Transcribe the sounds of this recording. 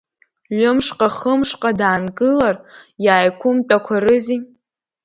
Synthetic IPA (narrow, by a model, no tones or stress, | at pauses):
ʒʷʊmʂqʼaχəmʂqʼadaːnɡʼɨlarjaːjkʷʰʊmt͡pʼakʷʰaɾɨzi